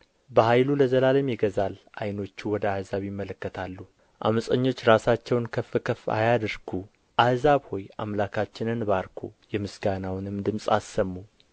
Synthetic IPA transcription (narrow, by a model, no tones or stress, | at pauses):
bəhajluləzəlaləmjɛɡəzalʔajno̞t͡ʃːuwɔd̪əahzaβjɪmːələkːət̪ʰalːu | ʔa̰məsʼəɲːo̞t͡ʃːɾasat͡ʃːɛwnkʰəfːɨkʰəfa̰jad̪əɾɡʰu | ʔahzaβho̞ja̰mlakʰat͡ʃːɪnɨnbaɾkʰojɛmɨsɡanawnɨmd̪ɨmsʼa̰sːəmːu